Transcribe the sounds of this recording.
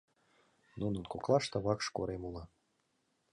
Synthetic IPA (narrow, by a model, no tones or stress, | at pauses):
nunə̆nkoklˠɑʃt̪ɤβɑkʃko̰ɾemulˠɑ